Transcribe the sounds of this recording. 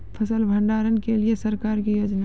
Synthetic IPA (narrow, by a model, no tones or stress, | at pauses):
pʰəsəlbʱə̃ɳɖaːɾənkeliesɐɾkaːɾkijoːd͡ʒna